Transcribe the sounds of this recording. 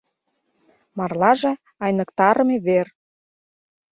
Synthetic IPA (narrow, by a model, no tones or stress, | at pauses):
mɑrlɑʒe | ɑjnəkt̪ɑɾɤmeβer